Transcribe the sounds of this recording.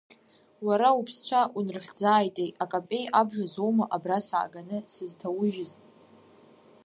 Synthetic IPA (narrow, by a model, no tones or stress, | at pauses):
waɾaupʰst͡ɕʷʰaʔunrχʲd͡zaːjtʼejakʼapʼe̞jabʒʷᶣazowmaʔabrasa̰ːɡanɨsɨztʰawʊʒɪzʼ